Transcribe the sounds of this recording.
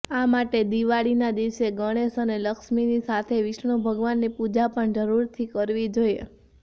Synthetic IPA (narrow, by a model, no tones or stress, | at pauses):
amaʈed̪iʋaɭinad̪iʋseɡəɽ̃eʃəneləkʃminisat̪ʰeʋɪʃɳobʱəɡʋanːipud͡ʒapəɳd͡ʒəɾuɾt̪ʰikəɾʋid͡ʒojḛ